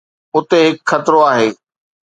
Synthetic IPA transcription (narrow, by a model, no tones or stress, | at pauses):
ʊt̪eɦɪkxɐt̪ɾoaːɦeː